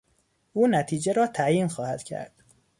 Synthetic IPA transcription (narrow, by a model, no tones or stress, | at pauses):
ʔuːnæt̪ʰiːd͡ʒeɾɒːt̪ʰæjiːnxɒːhæd̪̥cʰæ̰ɾd̪̥